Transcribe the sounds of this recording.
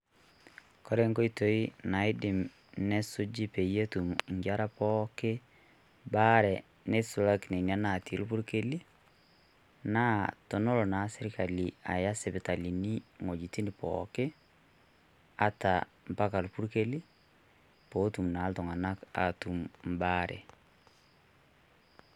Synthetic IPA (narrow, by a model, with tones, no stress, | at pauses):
kɔ˦ɾɛ˦ŋko˦i˦to˨i˦na˨˦i˦dɪ˨m | nɛ˦sʊ˦d͡ʒi˦pe˨je˦tu˨mŋɡa˦ɾa˦pɔ˦ke˦ | ba˦ɾɛ˨ | ne˦su˨la˦kne˨ni˨a˦na˨ti˨˦lu˦pu˦ɾke˦li˦ | na˦tɔ˨nɔ˦lɔ˨na˨˦sɛ˦ɾi˦ka˨li˨a̰˨ja˦sɛ˨pɛ˨ta˨li˨ni˦ŋo˨d͡ʒi˨ti˦ni˨pɔ̰kɪ˦ | a˦ta˨ | m̩˨pa˦ka˨lu˨pu˦ɾke˦li˦ | po˨˦tu˨mna˨˦ltɔ˨ŋa˨na˦ka̰˨tu˨mm˨ba˦ɾʔɛ̰˨